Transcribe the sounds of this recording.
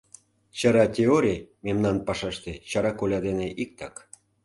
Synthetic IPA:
t͡ɕɑɾɑtʲeoɾʲememnɑnpɑʃɑʃt̪et͡ɕɑɾɑkolʲɑd̪eneʔik̚t̪ɑk

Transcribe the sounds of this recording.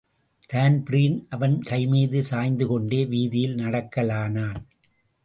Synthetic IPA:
t̪aːnbɾiːnʔɐʋɐnkɐɪmiːðɯsaːjnd̪ɯkɔɳɖeːʋiːðɪjɪlnɐɽɐkːɐlaːnaːn

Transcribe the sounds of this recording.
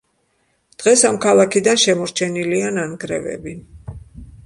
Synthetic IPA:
d̪̥ʁɛsamkʰalˠakʰid̪anʃɛmɔɾt͡ʃʰɛniliananɡɾɛ̰vɛ̰bi

